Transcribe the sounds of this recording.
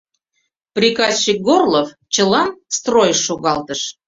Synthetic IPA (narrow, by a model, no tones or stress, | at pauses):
prʲikɑst͡ɕik̚ɡorlof | t͡ɕə̆lɑnst̪rojʃːoɣɑlt̪əʃ